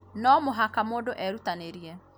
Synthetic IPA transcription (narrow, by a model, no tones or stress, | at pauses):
nɔmoɦakamoːndoʔɛɾutaneɾiɛ